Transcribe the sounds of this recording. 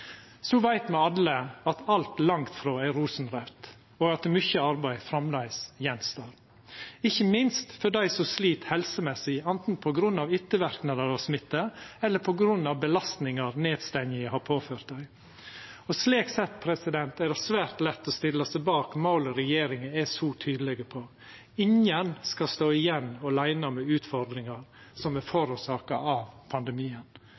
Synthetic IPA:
sɔʋæɪt̪mɛɑlːəɑt̪ʰɑlt̪lɑŋt̪fɾoːæɾuːsn̩ɾɛpt̪ | ɔɡɑt̪̚ɛmʏçəɑɾbæɪfɾɑmlæɪsjɛnst̪ɑːɾ | ɪçːəmɪnst̪fɔɖæɪsɔsliːt̪hɛlsəmɛsːɪɛnt̪n̩pʰɔɡɾʉnːɑʋʏt̪ːəʋæɾknɑd̪əɾɑʋsmɪt̪ːəɛlːəɾpʰɔɡɾʉnːɑʋbəlɑst̪nɪŋəɾneːd̪st̪ɛnɪəhɑpʰoːføːɾt̪̚d̪æɪ | ɔsleːksɛt̪ːpʰɾɛsɪd̪ɛnt̪æɖ̪ɛsʋæːɾt̪lɛt̪ːɔst̪ɪlːɑsæɪbɑːkmɑʊlɔɾɛjeːɾɪŋəæsɔːt̪ʰyːd̪əlɛɡəpʰɔ | ɪŋənskɑst̪oːɪjɛnːɔlæɪnɑmɛʉːt̪fɔɾd̪ɾɪŋɑɾsɔmɛfɔɾuːsɑːkɑɑʋpʰɑnd̪ɛmiːən

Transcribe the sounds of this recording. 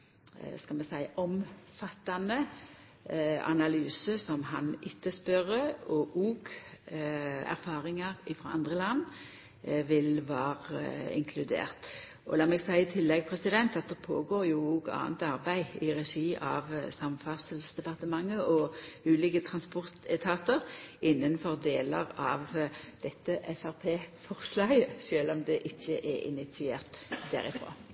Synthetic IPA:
skɑlmɛsæɪɔmfɑt̪ːɑnə | ɑ̰nɑlyːsəsɔmhɑnɪt̪ːəspœʁəɔʔuːɡ | æ̰ɾfɑːʁɪŋɑʁɪfɾɑɑnd̪ʁəlɑn | ʋɪlʋɑːʁɪ̰ŋkʰlʉd̪ḛːʁt̪ | ʔɔ̰lɑːmɛɡsæɪɪt̪ʰɪlːɛɡ̚pʰʁɛsɪd̪ɛnt̪ɑt̪̚d̪ɛpʰo̰ːɡoːʁjuuːɡɑ̰ːə̰nt̪ɑɾbæɪɪʁɛʃiːʔɑ̰ʋsɑmfɑsəlsd̪ɛpɑʁt̪əmɑŋːəɔʉːliːkət̪ʰʁɑnspɔʁt̪ɛt̪ʰɑt̪əʁɪnːənfɔʁd̪eːləʁɑʋd̪̥ɛt̪ːəʔɛfæɾpʰeːfɔʁslɑːɡəʃøːlɔmd̪ɛʔɪçːəʔɛɪ̰nɪt̪ʋɪeːʁt̪d̪æ̰ɾɪfɾo̰ː

